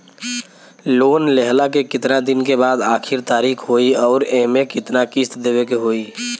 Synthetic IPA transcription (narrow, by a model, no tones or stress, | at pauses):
loːnlɛɦlakekɪt̪nad̪ɪnkebaːd̪aːkʰɪɾt̪aːɾiːkʰɦoːiɔːɾemẽkɪt̪nakɪst̪d̪eːwekeɦoːiː